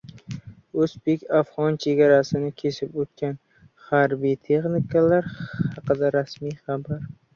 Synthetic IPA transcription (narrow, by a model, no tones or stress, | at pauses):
osbe̞kʲafʁɒnt͡ʃʰe̞ɡʲaɾasɪnɪkʲʰe̞sɪpot̪̚kʲan | haɾbijt̪ʰe̞χnikalaɾhɑqɨd̪aɾasmijχabaɾ